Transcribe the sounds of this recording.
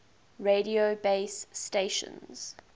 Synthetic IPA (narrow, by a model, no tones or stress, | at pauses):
ɹediobeɪsːteʃə̰̃nz̥